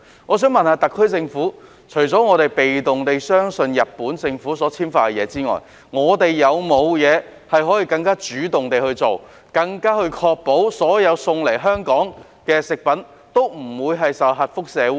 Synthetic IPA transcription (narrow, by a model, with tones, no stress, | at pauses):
ŋɔː˨˧s̬œː˨˥ŋmɐ˨nhaː˧t̪ɐ˨˩kʰːɵ˥ɥt͡sɪ˧ŋfuː˨˥ | t͡ʃʰɵ˨˩ɥt͡sɔː˨˥ŋɔː˨˧t̪e˨jpe˨jt̪ʊ˨ŋt̪e˨jsœː˥ŋsɵ˧njɐ˨t̚pːuː˨˥nt͡sɪ˧ŋfuː˨˥sɔː˨˥t͡sʰiː˥mfaː˧kɛ˧jɛː˨˧t͡siː˥ŋɔ̰ː˨˩j | ŋɔː˨˧t̪e˨jːɐ˨˧wmo˨˧wjɛː˨˧hɐ˨jɦɔː˨˥jiː˨˧kɐ˧ŋkaː˥t͡ʃyː˨˥t̪ʊ˨ŋt̪e˨jhɵ˧ɥt͡so˨w | kɐ˧ŋkaː˥hɵ˧ɥkʰɔː˧k̚po˨˥wsɔː˨˥jɐ˨˧wsʊ˧ŋle˨˩jɦœː˥ŋkɔː˨˥ŋ | kɛː˧sɪ˨k̚pɐ˨˥n | t̪o˥wm̩˨˩wuː˨˧jɦɐ˨jsɐ˨˩wɦɐ˨t̚fʊ˥k̚sɛː˨˧u˧˥